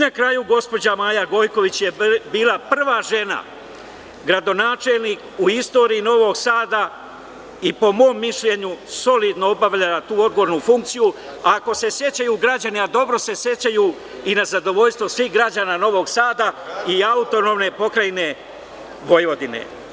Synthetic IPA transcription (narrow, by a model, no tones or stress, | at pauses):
nakɾajuɡo̞spo̞d͡ʑamaːjaɡo̞jko̞ʋit͡ɕje̞biːlapr̩ʋaːʒe̞na̰ | ɡɾad̪o̞naːt͡ʃe̞lˠniːkuist̪o̞ːɾiino̞ʋo̞ɡsaːd̪a | ipo̞mo̞ːmːiʃʎe̞ɲuso̞lid̪noobaʋʎalat̪uːo̞d̪ɡooɾnufuŋk̚t̪siju | ako̞se̞sje̞t͡ɕajuːɡɾad͡ʑaniad̪o̞bɾo̞se̞sje̞t͡ɕaju | inazad̪o̞ʋo̞ʎst̪ʋo̞sʋixɡɾad͡ʑaːnaːno̞ʋo̞ɡsaːd̪aiaut̪o̞no̞ːmne̞po̞kɾajne̞ | ʋo̞jʋo̞d̪ine̞̰